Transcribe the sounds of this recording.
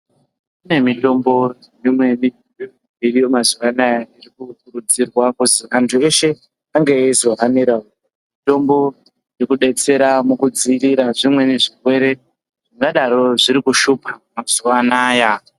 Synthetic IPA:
une̞mito̞mbo̞jmimwe̞ni | irijomazuʋanajairikuk̚urud͡zirwakuzikantʰue̞ʃe̞ | aŋɡeːizo̞ɦaniɾao | mito̞mbo̞ | jekuɗe̞t͡se̞ɾamukud͡ziːriɾaʐimwe̞neʐikwe̞ɾe̞ | ʐ̥iŋɡaɗaɾo̞ʐiɾikuʃupamaz̥uwanaja

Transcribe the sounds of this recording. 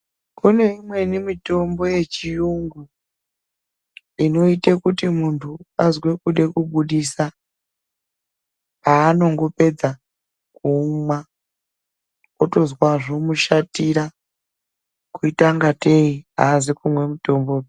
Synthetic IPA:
kune̞imwe̞nimito̞mbo̞je̞t͡ʃijuŋɡu | ino̞itekutimuntʰuazwe̞kuɗe̞kuɓuɗisa | paːno̞ŋɡo̞pe̞d͡za | kumwa | oto̞zwaʐo̞muʃatiɾa | kuitaŋɡatʰeia̰ːzikumwe̞mito̞mbo

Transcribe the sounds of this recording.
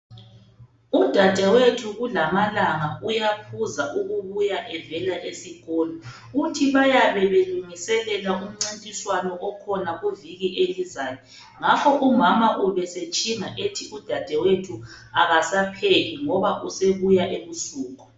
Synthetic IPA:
ud̥ʱad̥ʱɛwetʰuɣulamalaŋaʔujapʰuzaʔuɣuβujaʔɛvɛlaʔesiɣɔlɔ | utʰiβajaβɛβeluŋisɛlɛlaʔum̩ŋ͡ǀintʼiswanɔʔɔkʰɔnaɣuviɣiʔelizaːjɔ | ŋapʰɔʔumamaʔuβɛset͡ʃʼiŋaʔetʰiʔud̥ʱad̥ʱɛwetʰuaɣasapʰeɣiŋɔβaʔuseβujaʔeβusuːɣɔ̥

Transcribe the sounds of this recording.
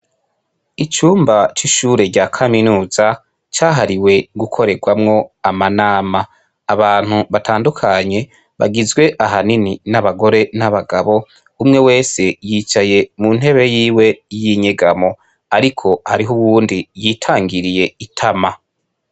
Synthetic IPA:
it͡ʃuːmbat͡ʃiʃuːɾe̞ɾɟaːkʰaminuːza | t͡ʃaːɦaɾiwe̞ɡukʰo̞ɾe̞ɡwamŋo̞amanaːmaː | βaːn̥uβatʰaːndukʰaɲe̞ | βa̰ɡizɡwe̞ʔaɦanininaβaɡo̞ɾe̞naβaɡaβo̞ | umŋe̞we̞ːse̞jit͡ʃaje̞mun̥e̞βe̞jiːwe̞jiɲeɡamo̞ | aɾikʰo̞haɾiɦuβuːndijiːtʰaːŋɡiɾije̞itʰama

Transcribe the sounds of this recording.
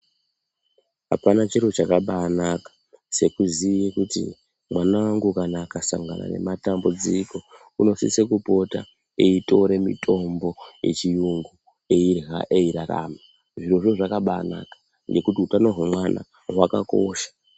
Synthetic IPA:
ɦapanat͡ʃirot͡ʃakaɓaːnakḁ | se̞kuzijekutḭ | mwanawaŋɡukanakasa̰ŋɡana̰ne̞̰matambud͡ziko̞ | uno̞sḭsekupo̞ta̰ | eito̞ɾemḭtʰo̞mbo̞jet͡ʃijuŋɡu | eirɦa̰ʔeiɾaɾa̰ːma | ʐiroʐoʐakaɓaːna̰kḁ | ŋɡe̞kutiutano̞ɦwemwana̰ | ɦwaka̰ko̞̰ːʃḁ

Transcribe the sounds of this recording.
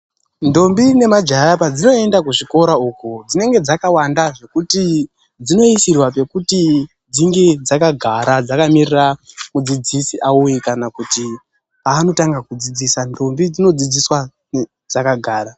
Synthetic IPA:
ndo̞mbine̞mad͡ʒaɦapad͡zino̞e̞ndakuʐiko̞ɾauːkud͡zine̞ŋɡe̞d͡zakawandaʐe̞kuti | d͡zino̞isirwape̞kuti | d͡ziŋɡe̞d͡zakaɡʱaɾad͡zakamiriramud͡zid͡zisiʔaujikanakuti | paːno̞taŋɡakud͡zid͡zisando̞mbid͡zino̞d͡zid͡ziswa | ne | d͡zakaɡʱaːɾa

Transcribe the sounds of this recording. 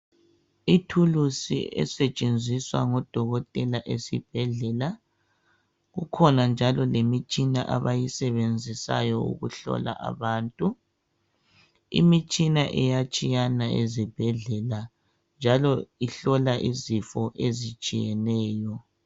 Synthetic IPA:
itʰulusḭɛ̰sɛt͡ʃʼend͡zʱiswa̰ŋɔd̥ʱɔɣɔtʼɛlaʔesib̥ʱɛɮɛla | ɣukʰɔnand͡ʒʱalɔlemit͡ʃʼina̰ʔaβajisɛβend͡zʱisa̰jɔṵɣṵɬɔ̰la̰ʔa̰βaːntʼu | ḭmit͡ʃʼinaʔɛjat͡ʃʼijanaḛzib̥ʱɛɮɛla | nd͡ʒʱalɔiɬɔlaʔizifɔʔezit͡ʃʼijɛnɛːjɔ

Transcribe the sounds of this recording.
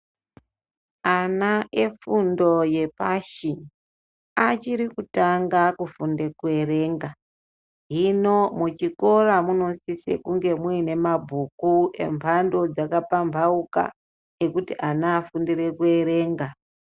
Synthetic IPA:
anaʔe̞fundo̞je̞pa̰ʃi | at͡ʃiɾikutaŋɡakufunde̞kue̞re̞ːŋɡa | ɦino̞mut͡ʃiko̞ramuno̞sisḛkuŋɡe̞muine̞mabʱukue̞̰mpʰando̞d͡zakapampʰauka̰ | e̞kutiʔanaːfundire̞kue̞ɾe̞ːŋɡa

